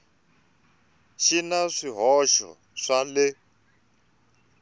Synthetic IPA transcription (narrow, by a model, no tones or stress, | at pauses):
ʃinaʂiɦɔʃɔ̰ | ʂalɪ